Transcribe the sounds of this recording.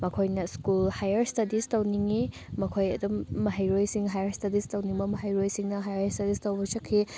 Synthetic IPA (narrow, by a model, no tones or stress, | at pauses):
mɐkʰojnɐskulhajɐɾstɐdistɐwniŋi | mɐkʰojɐ̰dumːɐɦajɾojsiŋɦajɐɾstɐdistɐwniŋbɐmɐɦajɾojsiŋnɐɦajaɐɾstɐdistɐwbɐsɐkʰːi